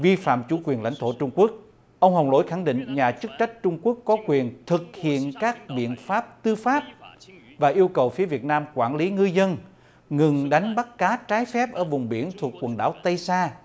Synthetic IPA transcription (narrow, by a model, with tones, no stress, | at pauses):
vi˧fa̰ː˧˨mt͡ɕṵ˧˩kwi˨˩ənla̰˧˥jŋ̟t̪ʰo˧˩t͡ɕʊ˧ŋ͡mku˦˥ək̚ | ʔə˧wŋ͡mɦə˨˩wlo̰˧˥˦jxa˧˩ŋɗḭ̈˧˨ŋɲaː˨˩t͡ɕɨ˦˥k̚t͡ɕa˦˥jk̟̚t͡ɕʊ˧ŋ͡mku˦˥əkːɔ˨˦kwi˨˩ənt̪ʰɨ˨˩k̚hḭ˧˨ənkaː˦˥k̚ɓḭ˧˨ənfaː˦˥p̚t̪ɨ˧faː˦˥p̚ | vaː˨˩ʔi˧əwkə˨˩wfi˨˦əvi˨˩ət̚naː˧mkwaː˧˩nli˨˦ŋɨ˧zə˧n | ŋɨ˨˩ŋɗa˨˦jŋ̟ɓa˦˥t̚kaː˨˦t͡ɕaː˨˦jfɛ˦˥p̚ʔəː˧˩vʊ˨˩ŋ͡mɓḭ˧˩ənt̪ʰu˨˩kːwə˨˩nɗa̰ː˧˩wt̪ə˧jsaː˧